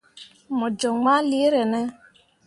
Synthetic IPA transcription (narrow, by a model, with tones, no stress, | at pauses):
mɔ˨d͡ʒɔ˨ŋma˦li˦e˦ɾɛ˨nɛ˦